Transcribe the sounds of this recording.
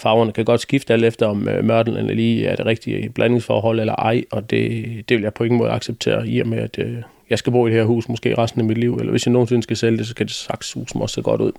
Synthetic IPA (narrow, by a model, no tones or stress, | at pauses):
fɑ̈ʊɐnəkʰæɡ̥ɒ̽d̥sɡ̥ifd̥æl̰d̥efd̥ɐɒ̽mømɶɐd̥lnenæliːæɐd̥e̝ʁɛɡ̥d̥ib̥lʔæne̝ŋsfɒ̰ːɦɒ̽l̰elɐʔɑ̈ɪ̰ɒ̽d̥e̝d̥e̝ʋe̝ljɑ̈ɪpʰɒ̽e̝ŋn̩ɔ̽ːð̩ˠɑ̈ɡ̥seb̥̚t͡sʰe̝̰ːɐḭɐmeæd̥ | jɑ̈ɪsɡ̥æbo̝ːd̥e̝heɐhṵːsmɔɒsɡ̥e̝̰ːʁɑ̈sd̥n̩æmid̥liʊ̰elʔɐʋʔe̝sjɑ̈no̝ːn̩sen̩sɡ̥æseljəd̥e̝sɒ̽kʰæd̥e̝sɑ̈ɡ̥shṵːsn̩ɒ̽ssḛɡ̥ɒ̽ɾ̥uð̰ˠ